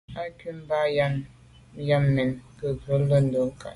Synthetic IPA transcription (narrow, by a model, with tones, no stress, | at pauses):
a˦ki˦m̩˦ba˦ja˦n | ja˦mmɛ˨nkə˨və˨˦lə˦n̩˦do˦ŋ˦ka̰˨